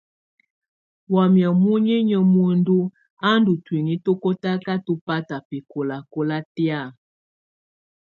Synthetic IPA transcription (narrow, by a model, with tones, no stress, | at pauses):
wa˨mja˨mu˦ɲi˦ɲə˨mo˦ndu˦ | a˦ndu˨twi˨ŋi˦to˦ko˦ta˦ka˦to˦pa˦ta˨pe˨ko˨la˨ko˦la˦tja˦˨